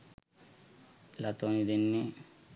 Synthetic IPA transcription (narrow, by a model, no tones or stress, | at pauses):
lɐt̪onid̪inːi